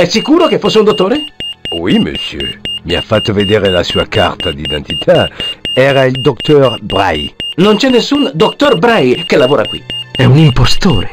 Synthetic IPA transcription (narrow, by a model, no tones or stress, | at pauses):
ɛsikuːɾokefːosːeund̪ot̪ːoːɾewimə̰sjø̰mia̰fat̪ːved̪ɛʁelasuaka̰ʁt̪ad̪id̪ɛ̃nt̪it̪ʰaɛʁaild̪ɔkt̪ɔʁbʁa̰jnont͡ʃɛnːesːund̪okt̪ɔrbɾɛjkelːavoːɾakwḭɛunimpost̪o̰ːɾe